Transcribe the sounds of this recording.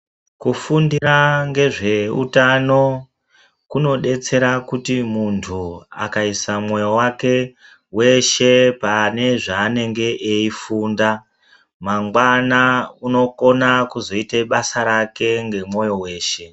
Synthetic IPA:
kufundiɾaŋɡe̞ʐe̞ṵtano̞ | kuno̞ɗe̞t͡se̞ɾakutimuntʰua̰kaisamwo̞jowake̞ | we̞ʃe̞pane̞ʐaːne̞ŋɡe̞ʔeifuːnda | maŋɡwanauno̞ko̞nakuzo̞iteɓasaɾake̞ŋɡe̞mwo̞jo̞we̞ːʃe̞

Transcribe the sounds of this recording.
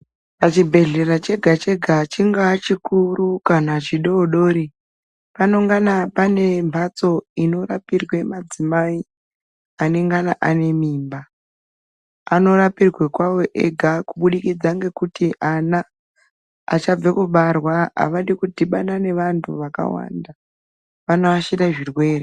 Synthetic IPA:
pat͡ʃibʱe̞ɮe̞ɾat͡ʃe̞ɡʱat͡ʃe̞ɡʱat͡ʃiŋɡat͡ʃikurukanat͡ʃiɗooɗo̞ːɾi | pano̞ŋɡanapane̞mbʱat͡so̞ino̞rapirwemad͡zimai | ane̞ŋɡanaʔane̞miːmba | no̞ɾapirwekwawo̞ʔeɡʱakuɓuɗikid͡zaŋɡe̞kutʰiʔana̰ː | t͡ʃab͡vekuɓarwaa̰ʋaɗikutiɓaɗane̞ʋantʰuʋaka̰wa̰ːnda | ʋanoaʃiɗaʐirwe̞ːre

